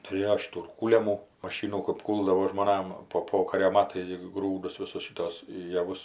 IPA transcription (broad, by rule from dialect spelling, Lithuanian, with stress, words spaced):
tʊˈrʲeːjoː ˈʃʲɪtuː ɪr ˈkuːlʲɛmuː mɐˈʃʲiːnuː kɐp ˈkuːlˠdɐʋoː ʒmoːˈnɐm poː ˈpoːkɐrʲoː ˈmɑːtɐɪs ɡʲɪ ˈɡruːdʊs ˈʋʲɪsʊs ʃʲɪˈtoːs jɛˈʋʊs